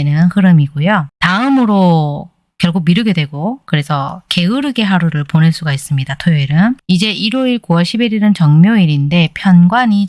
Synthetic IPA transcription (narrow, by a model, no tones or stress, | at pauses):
nɯnhɯɾɯmiɡojotaɯmɯɾo | kjʌɭkʰok̚miɾɯɡe̞dwe̞ɡokɯɾe̞sʰʌke̞ɯɾɯɡe̞ɦaɾuɾɯɭponeɭs͈uɡais͈ɯmɲidatʰoeɾɯnid͡ʑe̞ʔiɾoiɭkuwʌɭɕʰibiɾiɾɯnt͡ɕʌŋmjoiɾinde̞pʰjʌnɡwaɲi